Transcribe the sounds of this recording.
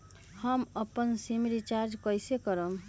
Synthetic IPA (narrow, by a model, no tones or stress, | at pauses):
həməpːənsemiɾit͡ʃaɾd͡ʒkəjsekəɾəm